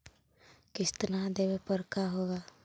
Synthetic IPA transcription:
kɪst̪nad̪eːʋepəɾkaɦoːɡaː

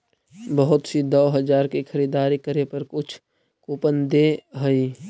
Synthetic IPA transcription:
bəɦʊt̪sid̪ɔːɦəd͡ʒaːɾkexʰəɾiːd̪aːɾikəɾepəɾkʊt͡ʃʰ | kuːpənd̪eɦəi

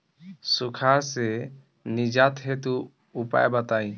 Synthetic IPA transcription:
sukʰaɾsɛ | nid͡ʒat̪ɦɛt̪uː | pa̰ʔjbat̪aj

